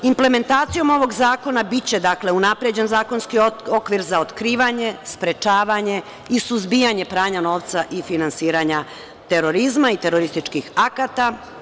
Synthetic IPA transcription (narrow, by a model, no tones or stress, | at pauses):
imple̞me̞nt̪aːt̪sijo̞mo̞ʋo̞ɡzaːko̞nabit͡ɕe̞d̪akle̞unapɾed͡ʑe̞nzaːko̞nskio̞kʋiɾzao̞t̪kɾiːʋaɲe̞spɾe̞t͡ʃaːʋaɲe̞ | isuzbijaɲe̞pɾaːɲano̞ːʋt̪saʔifinansiːɾaɲa | t̪e̞ɾo̞ɾizmait̪e̞ɾo̞ɾist̪it͡ʃkixakat̪a